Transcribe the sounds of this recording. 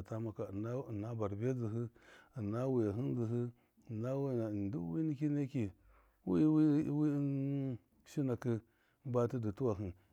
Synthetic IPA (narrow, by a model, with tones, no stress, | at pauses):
ta˦ma˦ka˨na˦˨na˦ba˨ɾbe˦d͡zi˨ɦi˦ə˨na˦wi˨a˨ɦi˦n˦d͡zi˨ɦi˦˨ | na˦wndi˦wi˦ni˦ki˦ne˦ki˨ | wḭ˦wi˦wi˦n˦ | ʃi˦na˨kə˦ | ba˦ti˦di˨tu˦wa˨ɦi˨